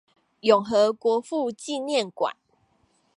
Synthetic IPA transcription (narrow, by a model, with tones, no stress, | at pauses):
jɔ˨˩ŋɦɤ˨˦kwɔ˨˧˦fu˥˧t͡ɕi˥˨njɛ˥˨nkwa̰˨˦n